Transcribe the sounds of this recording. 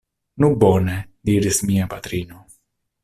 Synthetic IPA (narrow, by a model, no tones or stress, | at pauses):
nuboned̪iɾismiapat̪ɾino